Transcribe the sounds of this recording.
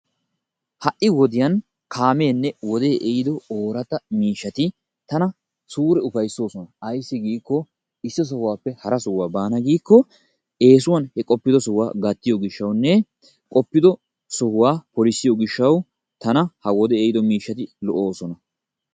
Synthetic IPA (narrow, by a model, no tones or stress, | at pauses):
hɐʔːɪwɔd̪ɪjɐn | kʰaːmeːnːɛwɔd̪e̞ːʔejɪd̪ɔoːɾɐt̪ɐmiːʃːɐt̪ɪ | t̪ɐnɐ | suːɾɛʊfɐjsːo̞ːsɔnɐɐjsːɪɡiːkːɔ | ɪsːɔs̬ɔhʊwaːpːɛhɐɾɐsɔhwaːbaːnɐɡiːkːɔ | e̞ːs̬ʊwɐnhɛkʼɔpːɪd̪ɔsɔhwa̰ːɡɐt̪ːɪjoːɡɪʃːɐwnːɛ | kʼɔpːɪd̪ɔ | sɔhʊwaːpɔlɪsːɪjoɡɪʃːɐw | t̪ɐnɐhɐwɔd̪ɛejɪd̪ɔmiːʃːɐt̪ɪlɔʔo̞ːsɔnɐ